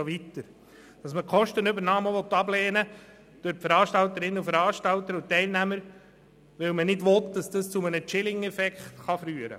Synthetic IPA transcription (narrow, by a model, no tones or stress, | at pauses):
ɔʋit̪əɾ | d̥ɑsməkʰɔʃtənʏbəɾnɑːməʋɔtːɑbleːnə | d̥øɾpfəɾɑːʃtɑlt̪əɾɪnːəufəɾɑːɾʃtɑlt̪əɾutɛɪlnæməɾ | ʋɪlmənɪdʋɔt̪dɑsd̥ɑst͡sumənət͡ʃɪlɪŋɛfɛkχtχɑfɾyːəɾə̰